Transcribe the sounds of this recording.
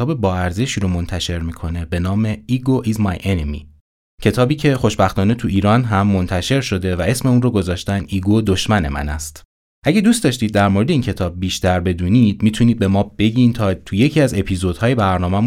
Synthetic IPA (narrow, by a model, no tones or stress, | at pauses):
ɒːbe̞bɒːæɾze̞ʃiːɾomo̞nt̪ʰæʃe̞ɾmiːkʰo̞ne̞be̞nɒːme̞iɡoʔizmɒjʔenemḭ | cʰe̞t̪ʰɒːbiːcʰe̞χo̞ʃbæxt̪ɒːne̞t̪ʰuʔiːɾɒːnɦæmːo̞nt̪ʰæʃe̞ɾʃo̞d̪e̞væe̞sme̞unroɡo̞zɒːʃt̪ænʔiɡod̪o̞ʃmæne̞̰mæ̰næst̪ | ʔæɟæd̪ust̪d̪ɒːʃt̪iːd̪̚ːæɾmoɾe̞d̪eiːncʰe̞t̪ʰɒːb̚biːʃt̪æɾbe̞d̪uniːd̪̥̚miːt̪ʰuniːd̪̚be̞mɒːb̥e̞ɟint̪ʰɒːt̪ʰuje̞cʰiæze̞pʰiːzo̞d̪̥hɒːje̞bæɾnɒːmæmu